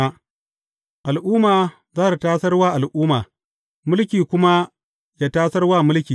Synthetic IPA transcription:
a˦ | ʔa˨lʔuː˦maː˨ | zaː˦ta˨taː˦sɐ˦rwaː˦ʔa˨lʔuː˦maː˨ | mʊ˦lkʲiː˨kʷʊ˦ma˦ | jaː˦taː˦sɐ˦rwaː˦mʊ˦lkʲiː˨

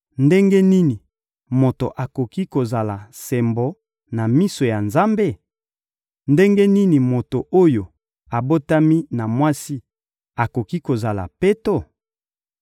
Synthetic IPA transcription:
nde˦ŋɡe˦ni˦ni˨ | mo˨to̰˨ʔa˨ko˨ki˦ko˨za˨la˨sɛ˨mbo˨˦ | na˨mi˦so˨ja˨nza˦mbe˦˨ | nde˦ŋɡe˦ni˦ni˨mo˨to˨ʔo˦jo˨ | a˨bo˦ta˦mi˦na˨mwa˦si˦ | a˨ko˨ki˦ko˨za˨la̰˨pe˦to˦˨

